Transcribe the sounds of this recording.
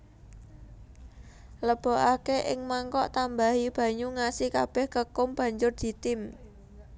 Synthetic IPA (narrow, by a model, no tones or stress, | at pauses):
ləb̥o̤ʔakeʔɪ̰ŋmaŋkɔʔt̪ambaɦib̥a̤ɲuŋasikab̥ɛhkəkʊmb̥ä̤ɲd͡ʒʊrd̪̥i̤t̪ɪm